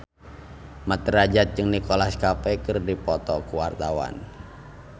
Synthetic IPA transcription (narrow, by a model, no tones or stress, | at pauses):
mat̪əɾad͡ʒat̪̚d͡ʒɨŋnikɔlaskapɛkɨrdipɔt̪ɔkuwart̪awa̰n